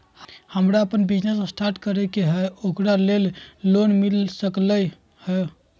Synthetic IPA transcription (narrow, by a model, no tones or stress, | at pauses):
həmɾaəpənbid͡ʒnessʈaɾʈkəɾɛkeɦɛokɾalelːonmilsəklə | hɛ